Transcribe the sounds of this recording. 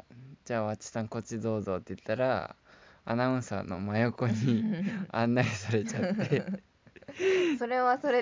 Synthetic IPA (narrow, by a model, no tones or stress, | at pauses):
d͡ʑaːβat͡ɕi̥sãŋko̞t͡ɕid̪o̞ːzo̞t̪ːeɯ̟t̪ːaɾa̰ | anaɯ̟̃ɰsa̰no̞̰majo̞ko̞ɲ̟iã̰nːaɡesaɾe̞t͡ɕat̪ːe̞ | soɾe̞βasoɾe